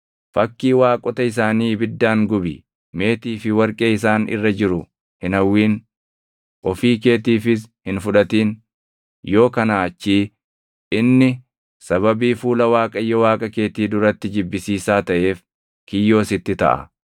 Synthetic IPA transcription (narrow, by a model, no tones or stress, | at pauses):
fɐkːiːwaːkʼɔt̪ɐɪs̬aːniːbɪd̪ːaːŋɡʊbɪ | me̞ːt̪iːfɪwɐɾkʼeːɪs̬aːnɪ̰rːɐd͡ʒɪɾʊ | hɪnɐwːiːn | ʔɔfiːke̞ːt̪iːfɪshɪnfʊᶑɐt̪iːn | jo̞ːkɐnaːɐt͡ʃːiː | ʔɪnːɪ | sɐβɐbiːfuːlɐwaːkʼɐjːɔwaːkʼɐke̞ːt̪iːd̪ʊɾɐt̪ːɪd͡ʒɪbːɪsiːsaːt̪ɐʔe̞ːf | kɪjːo̞ːsɪt̪ːɪt̪ɐ̰ʔɐ̰